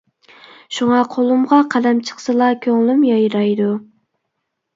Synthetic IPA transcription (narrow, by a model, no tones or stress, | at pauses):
ʃuŋɑqʰolˠumʁɑqʰæd̪ɛmt͡ʃʰə̥χsɨlˠɑkʲʰøŋlymjɑjɾɑjd̪u